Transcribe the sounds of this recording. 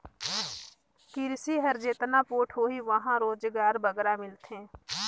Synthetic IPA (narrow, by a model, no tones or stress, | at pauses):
kɪɾsiɦəɾd͡ʒeːt̪napoːʈʰɦoːiʋəɦãɾoːd͡ʒɡaːɾbəɡɾamɪlt̪ɦẽː